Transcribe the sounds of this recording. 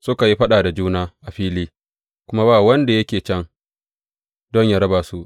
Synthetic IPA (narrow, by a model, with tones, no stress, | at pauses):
sʊ˦ka˨ji˦ɸɐ˦ɗaː˨da˨d͡ʒuː˦naː˦ʔa˨ɸiː˦liː˦ | kʷʊ˦ma˦baː˦˨wɐ˦nda˨jɐ˦kʲeː˨t͡ʃɛ˦ŋ | dɔ˦ɲja˦˨ɾɐ˦baː˨su˦ʔ